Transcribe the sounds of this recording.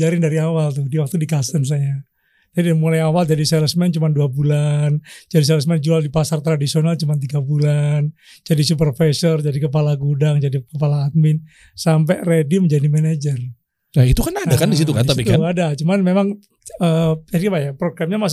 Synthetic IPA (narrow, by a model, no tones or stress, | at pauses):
d͡ʒaɾɪndaɾiawalt̪ʊhdiwak̚t̪udikast̪əns̬aja | d͡ʒadimulajawald͡ʒadisɛləsmɛnt͡ʃumanduabuland͡ʒadis̬ɛləs̬mɛnd͡ʒualdipasart̪ɾadisionalt͡ʃumant̪̬iɡabulan | d͡ʒadisupərfɛsɔrd͡ʒadikəpalaɡudaŋd͡ʒadikəpalaːt̪̚mɪn | sampɛrediməɲd͡ʒadimɛnad͡ʒər | ait̪ukanadakandis̬it̪uka̰nt̪appikt̪anadat͡ʃumanmemaŋ | əaɾkapajapɾoɡɾamɲamas